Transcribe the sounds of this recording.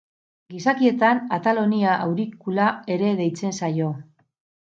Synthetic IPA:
ɡisakie̞t̪anat̪alo̞niaʔawɾikulae̞ɾe̞ðe̞jt͡se̞nsajo̞

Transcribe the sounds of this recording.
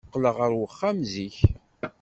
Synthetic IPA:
qːləʁəɾwəχːamziç

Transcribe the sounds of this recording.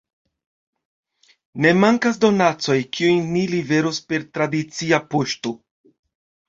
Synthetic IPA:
ne̞maŋkasd̪o̞nat͡so̞jkʰiujnilive̞ɾuspe̞ɾtɾadit͡siapoʃto

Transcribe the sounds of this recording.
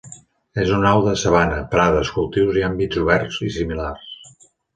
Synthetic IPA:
ezunawðəsəβanəpɾaðəskulˠt̪iwziambid͡zuβɛrzisimilars

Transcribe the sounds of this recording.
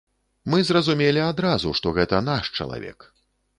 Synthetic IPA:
mɨzrɐzumʲelʲiad̪ɾazuʂt̪ɔɣɛt̪ɐnaʂt͡ʂɐ̰lˠa̰vʲɛ̰k

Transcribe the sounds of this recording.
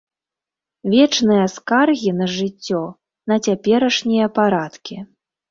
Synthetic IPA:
vʲɛt͡ʂnɨjɐskarɣʲinɐʐɨt͡sʲːɔ | nɐt͡sʲapʲɛɾɐʂnʲijɐpaɾat̪kʲi

